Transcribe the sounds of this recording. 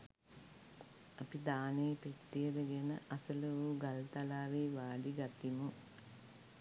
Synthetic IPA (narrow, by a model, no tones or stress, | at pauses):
ɐpid̪aːnejpeʈːijəd̪əɡenə̰ʔɐsələʋuːɡalt̪alaːʋeːʋaːɖiɡakimu